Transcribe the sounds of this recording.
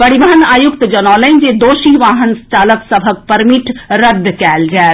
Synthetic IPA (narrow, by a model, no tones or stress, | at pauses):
pɐɾibəɦənaːjʊk̚t̪d͡ʒɐnɔːləɪnd͡ʒed̪oːʃiʋaːɦənst͡ʃaːləksəbʱək̚pɐɾmɪʈɾɐd̪ʱːkɛːld͡ʒaː